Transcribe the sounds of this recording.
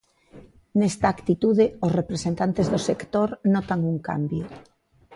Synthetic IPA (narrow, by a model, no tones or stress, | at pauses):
nɛst̪aːkt̪it̪uðɪosrepɾesent̪ant̪ezðosekt̪oɾnot̪aŋuŋka̰mbjo